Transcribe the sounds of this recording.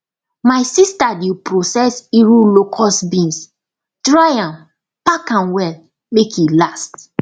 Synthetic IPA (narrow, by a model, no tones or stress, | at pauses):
maɪsistadipɹosɛsiɹulokʰɔsbĩns | tɹajãm | pakãnwɛl | mekilast